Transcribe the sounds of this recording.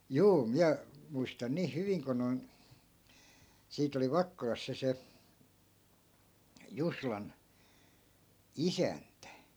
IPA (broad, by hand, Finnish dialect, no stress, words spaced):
juː miæ muistɑn niːh hyʋiŋ ko noi̯n siːt oli ʋɑkːolɑs se se juslɑn isæntæ